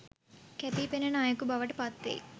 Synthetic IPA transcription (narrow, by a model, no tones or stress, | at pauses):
kepiːpenenaːjɐkubɐʋɐʈɐpat̪ːḭ